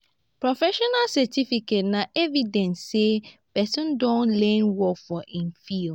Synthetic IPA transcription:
pɹofɛʃɔnalsɛtifiket̚nãʔevidɛ̃nssepɛsɔ̃ndɔ̃nlɛ̃nwɔfɔʔĩnfil

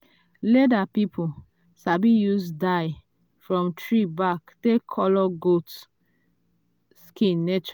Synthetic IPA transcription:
ledapipʰu | sabijusdaj | fɹɔ̃mtʰɹibaktekʰːɔlɔɡot | skĩnːet͡ʃ

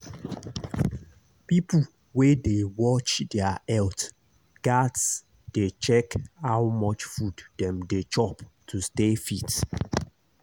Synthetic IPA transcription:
pipu | wedewɔt͡ʃdɛaɛlt | ɡ̥ats | d̥et͡ʃɛkhawmɔt͡ʃfuddɛ̃mdet͡ʃɔptʰustefit

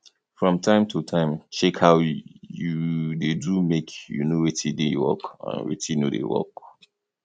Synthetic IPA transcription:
fɹɔ̃mtʰãɪ̃mtʰutʰãɪ̃mt͡ʃɛkhaʊjudedumekʰjṵnowetʰidewɔ̰kã̰nwɛ̰tinudḛwɔ̰k

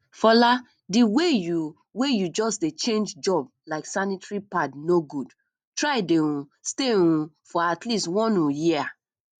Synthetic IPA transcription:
fɔla | diweju | wejud͡ʒɔsdet͡ʃẽnd͡ʒd͡ʒɔb̚ | laɪksanitɹipadnoɡud | tɹaɪdeɾũsteɾũ | fɔatlistwɔ̃nujia

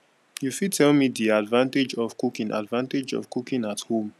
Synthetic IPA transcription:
jufid̚tʰɛlmidiadvãnted͡ʒɔv̥kukĩnʔa̰dvãnted͡ʒɔ̰vkukĩnathõm

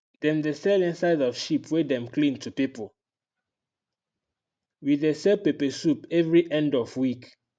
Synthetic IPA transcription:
d̥ɛ̃mdesɛlĩnsaɪdɔfʃipʰwedɛ̃mklĩntupipol | widesɛpepɛsupɛvɹiʔɛ̃ndɔvwik

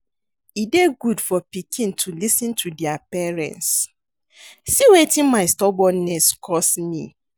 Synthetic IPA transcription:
ideɡudfɔpikʰĩntʰulisĩntʰudiapɛɹɛ̰̃ns | siwetĩnmaɪstɔbɔnɛskʰɔsmḭ

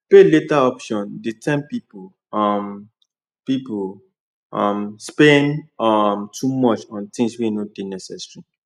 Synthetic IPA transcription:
peletaɔpʃɔ̃ndetʰɛ̃mpipo | ɔm | pipo | ʌmspɛ̃nɔmtʰumɔt͡ʃɔ̃nt̪ĩŋsweinodenɛsɛsɹi

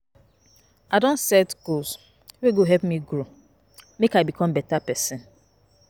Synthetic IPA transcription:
adɔ̃nsɛtɡ̥oz | weɡoɦɛpmiɡɾo | mekaɪbikʰɔ̃mbɛtapɛsɪ̃n

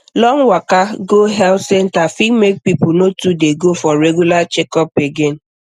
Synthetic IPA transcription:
lɔŋwakaɡoɦɛlsɛntafikmek̚pipʊnotudeɡofɔɾeɡjulat͡ʃekɔpeɡen̩

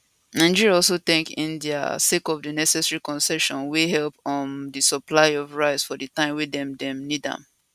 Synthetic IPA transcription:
nãɪ̃d͡ʒiɹiaɔls̬oθɛ̃ŋkĩnda̰sekɔvdinɛsɛsɛɹikɔ̃nsɛʃɔ̃nwiɦɛlpɔ̃ndisəplaɪɔvɹaɪsfɔdɨtãɪ̃mwidɛ̃mdɛ̃mnidã̰m

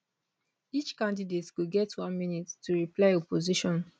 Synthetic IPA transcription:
it͡ʃkãndidetɡ̥oɡɛtwãnminittuɹiplaɪɔpoziʃɔ̃n

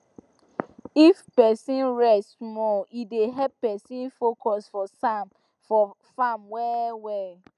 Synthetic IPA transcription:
ifpɛsĩnɹɛstmɔideɦɛppɛsĩnfokɔsfɔsãm | fɔ | famwɛwɛ

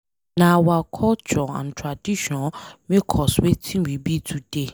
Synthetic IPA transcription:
nãwakʰɔt͡ʃʰɔã̰ntʰɾadiʃɔ̃nmɪ̃kʰɔswetʰĩwibitʰude

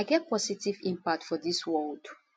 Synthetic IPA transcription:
aɪɡɛt̚pʰɔsitivĩmpak̚tfɔðiswɔld̥

